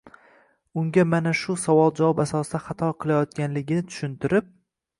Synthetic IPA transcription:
ʊŋɡʲamanaʃʊsavɒlˠd͡ʒavɒbasɒsɨd̪aχat̪ʰɒqʰɨlˠajɒt̪̚kʲanlɪɡʲɪnɪt̪ʰʊ̥ʃɪnt̪ɪɾɪp̚

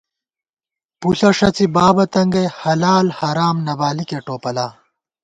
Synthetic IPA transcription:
puɬɐʂɐt͡sibaːbɐt̪ɐŋɡɐhɐlaːlhɐɾaːmnɐbaːlikeʈoːpɐlaː

